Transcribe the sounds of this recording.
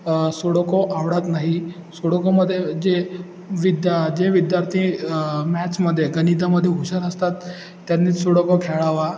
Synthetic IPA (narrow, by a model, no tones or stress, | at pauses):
soɽokɔʔaʋɽat̪naɦi | soɽokoməd̪ʱːjed͡ʑe | ʋid̪jad͡ʑeʋid̪jaɾt̪ʰĩmæt͡ɕməd̪ʱːjeɡənid̪aməd̪ʱːjeɦuɕaɾəst̪at̪ː | janːiːt̪soɽokɔkʰeɭaʋa